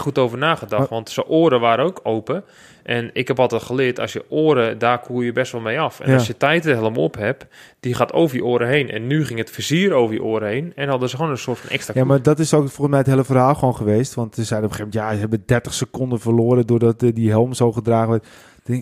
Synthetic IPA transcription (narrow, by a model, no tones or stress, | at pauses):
xutowvərnaːχədɑtʋɑntsəʔoːɾəʋaːɾəowkʰowpə | ʔɛnɪkhɛpɑlˠtɛtxəlɪətɔ̰sjəʔoːɾədaːrkʰuːjəbɛstʋɔlˠmejɑfɛ̰nasjətɛjtəɦɛlˠəmo̰phɛpd̥ixaːtʰo̰wvərjəʔoːəɾəɦejnɛ̰nːyχɪŋətfəziəɾowvərjə̰ʔoːɾəɦejnɛnhɑdəsəxoːnənsʊːtfɔnɛ̰kstrajamadɔtɪsofolˠənsmɛjətɦeːləfərɦaːlˠxʋoːnχəʋeːstʋɑntsəsɛjdənopxeːvmɛntjaɦɛbədɛrtəxsəkondənfərloːɾədʊːrdɔtdiɦɛlˠmsowχədraːɣəʋɔt | ɪŋ